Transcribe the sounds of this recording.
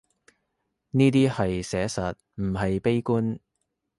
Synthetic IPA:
niː˥t̪iː˥hɐ˨jsɛː˨˥sɐ˨t̚ | m̩˨˩ɦɐ˨jpe˥jkuː˥n

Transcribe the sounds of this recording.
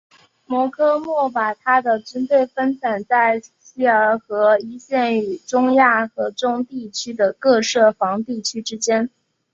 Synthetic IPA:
mwɔ˧˥kʰɤ˥mwɔ˥˩pa˨˩t̪ʰa˥d̪ə˨ʈ͡ʂə˥nt̪we˥˩ɪfə˥nt͡sa˨˩nt͡sa˥˩ɪ | ɕi˥ə˞˧˥˧xɤ˧˥i˧˥ɕjɛ˥˩ny˨˩ʈ͡ʂʊ˥ŋja˥˩xɤ˧˥ʈ͡ʂʊ˥ŋt̪i˥˩t͡ɕʰy˥d̪ə˨kɤ˥˧ʂɤ˥˩fɑ˧˥ŋt̪i˥˩t͡ɕʰy˥ʈ͡ʂɻ̩˥t͡ɕjɛ˥n

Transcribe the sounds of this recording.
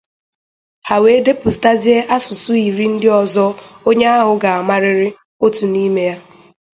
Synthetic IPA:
ha˨we˨˦de˦pʊ˨sta˦zi˦e˦ʔa˦sʊ˨sʊ˦i˨ɾi˦n̩˦dɪ˦ɔ˨zɔ˦o˦ɲe˦a˦ɦʊ˨ɡa˨a˨ma˦ɾɪ˦ɾɪ˦ | o˦tu˨ni˦me˦ja˦

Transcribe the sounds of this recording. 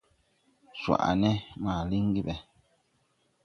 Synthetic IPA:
swa̰˨ʔa̰˨nɛ˦ma˨li˦ŋ˦ɡi˦bɛ˨

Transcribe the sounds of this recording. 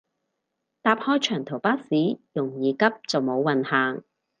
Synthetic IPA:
t̪aː˧p̚hɔː˥jt͡ʃʰœː˨˩ŋt̪ʰo˨˩wpaː˥siː˨˥jʊ˨˩ŋjiː˨kɐ˥p̚t͡sɐ˨wmo˨˧wːɐ˨nhaː˨ŋ

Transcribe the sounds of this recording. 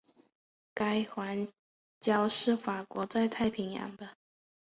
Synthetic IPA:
ka˥ɪxwa˧˥n | t͡ɕjɑ˥ʊʂɻ̩˥˩fa˨˩kwɔ˧˥t͡sa˥˧ɪt̪ʰa˥˩ɪpʰi˧˥ŋjɑ̰˧˥˦ŋd̪ə˧

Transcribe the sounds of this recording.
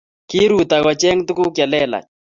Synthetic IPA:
ki˦ɾu˨t̪a˨ɣwa˨t͡ʃɛ˦ŋ˦tu˦ku˦kja˨lɛ˦la̰˨

